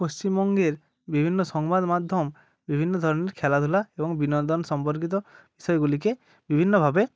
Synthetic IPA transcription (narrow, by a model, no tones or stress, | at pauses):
post͡ʃimbɔŋɡeɾ | bibʱinːɔsɔŋbad̪mad̪ʱjɔm | bibʱinːɔd̪ʱɔɾɔneɾkʰelad̪ʰʱulaebɔŋbinɔnd̪ɔnɔsɔmpɔɾk̬it̪̬ɔbisɔjɔɡulike | bibʱinːɔbʱabe